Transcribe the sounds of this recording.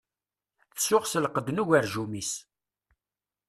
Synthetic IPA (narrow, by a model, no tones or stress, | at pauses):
θsʊʁsəlqəd̪nuʝəɾʒumis